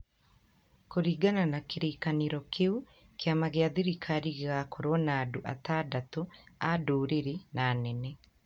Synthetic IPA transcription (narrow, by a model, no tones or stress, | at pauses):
koɾiːɡananakeɾeːkaneɾɔkʰeu | keamaɣeaðiɾikʰaɾiɣeɣakoɾwɔnaːdoʔa̰taːdatoadoːɾeɾenaːnɛnɛ